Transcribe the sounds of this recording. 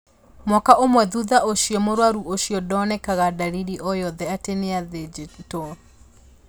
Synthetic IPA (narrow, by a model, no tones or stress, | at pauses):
mwɔkaʔomwɛðuðaʔoʃijɔmoɾwaɾuoʃjɔdɔnɛkaɣadaɾiɾiʔɔjɔðɛateneaðed͡ʒitɔ